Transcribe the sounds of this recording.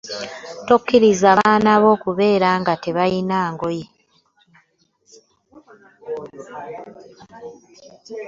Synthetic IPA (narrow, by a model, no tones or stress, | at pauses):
tokːiɾizaaːnaβo̞ːkuβe̞ːɾaŋɡate̞βajinaːŋɡoje